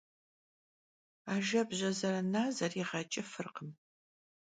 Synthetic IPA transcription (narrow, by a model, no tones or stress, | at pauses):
aːʒɐbʑɐzɐɾɐnaːzɐriːʁɐt͡ʃʼɐfɨrqəm